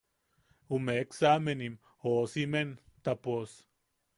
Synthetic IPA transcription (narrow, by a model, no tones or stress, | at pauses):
umeksamenim | osiment̪apos